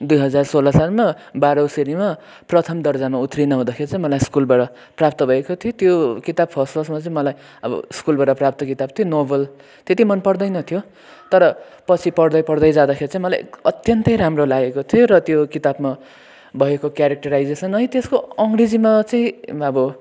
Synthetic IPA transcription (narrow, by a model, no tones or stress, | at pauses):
d̪ujɦʌd͡zarsolʌsarma | baɾʌwseɾima | prʌt̪ʰʌmd̪ʌrd͡zamaut̪rinʌɦũd̪akʰeɾit͡sʌ̃ĩmʌlajskulbaʈʌ | prap̚t̪ʌbʱʌekot̪ʰiot̪jokit̪ab̚pʰʌsʌlsmat͡sʌĩmʌlaj | ʌbʌ̰skulbaʈʌprap̚t̪ʌkit̪ab̚t̪ʰijonobʌl | t̪et̪imʌnpʌrd̪ʌjnʌt̪ʰijo | t̪ʌɾʌ | pʌt͡sʰipʌrd̪ʌjpʌɽd̪ʌjd͡zad̪axʰeɾit͡sãĩmʌla̰jʌt̪jʌnt̪ʌjɾamrolaɡekot̪ʰioɾʌt̪jokit̪abma | bʱʌekokjaɾek̚ʈʌɾajd͡zesʌnʌĩt̪eskoʌŋɡrid͡zimat͡sʌĩʌbʌ